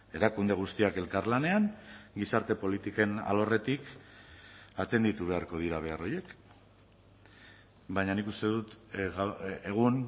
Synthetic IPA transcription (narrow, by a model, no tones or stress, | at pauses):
e̞ɾakund̪e̞ɣ̞ust̪iake̞lkaɾlane̞anɡisaɾt̪e̞po̞lit̪ike̞na̰lo̞re̞t̪ik | at̪e̞nd̪it̪uβ̞e̞aɾko̞ð̞iɾaβ̞e̞aro̞je̞k | bajɲanikust̪e̞ðut̪ɣaeɣ̞un